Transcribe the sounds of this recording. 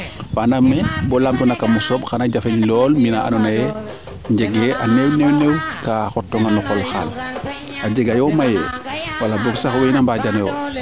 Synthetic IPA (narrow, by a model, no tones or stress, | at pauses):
banamːebɔlamtunakamusobxanaɟafeɲlɔːlminaʔa̰nɔnaje | ɲɟeɡeʔanewnewnewkaxotːɔŋanɔkɔlxa̰l | aɟeɡajomajḛwalaboksaxwenambaɟanejo̰